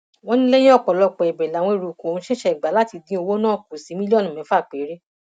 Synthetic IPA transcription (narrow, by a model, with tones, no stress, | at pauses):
w̃ɔ̃˦nĩ˦le˦jɛ̃˦ɔ˦˨k͡pɔ˨lɔ˧k͡pɛ˨ɛ˨bɛ˨la˨˦wɔ̃˧e˨˧ɾu˨kõ˨õ˨˧˦ʃɛ˦ʃɛ˦i˨ɡ͡ba˨˦la˦ti˨˧dĩ˧˦o˧wo˦nãː˦˨ku˨sĩ˨˦mĩ˦li˦ɔ˦nũ˨mɛ̃˨˦fa˦˨k͡pe˨˦ɾe˦